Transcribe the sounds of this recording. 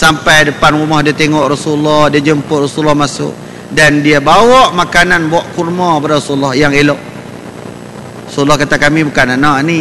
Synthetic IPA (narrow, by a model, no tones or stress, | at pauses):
sampajdəpanɾumɔhdiat̪eŋɔʔrɔsulːɔhdiad͡ʒəmpʊt̪̚rɔsuulːɔhmasʊ̰ʔ | dandiabawɔʔmakananbaʔkurmɔ̃badaɾɔsuulːɔhjaŋelɔʔ | rɔsuulːɔhkat̪akamibəkananaʔni